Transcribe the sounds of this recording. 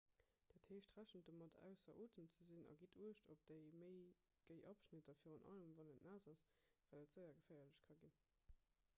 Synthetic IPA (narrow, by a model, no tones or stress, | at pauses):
d̥æːtheːɕtʁæʃənt̚d̥oːmɑtʰæ̰ʊsɐʔoːtʰəmt͡səzinɑ̰ɡitʰuəʃtʰop̚d̥əɪməɪ | ɡ̥əɪʔɑpʃnitɐfiːʁənʔɑ̰ləmvɑnətnæːzɑsvæːdətz̥ɜɪɐɡəfæːɐləɕkʰɑɡin